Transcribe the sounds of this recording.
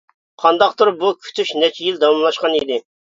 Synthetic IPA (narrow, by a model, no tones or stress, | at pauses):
qʰɑnd̪ɑqt̪oɾbukʲʰy̥t̪ʰyʃnɛt͡ʃʰijild̪ɑwɑmlˠɑʃqɑnid̪ɪ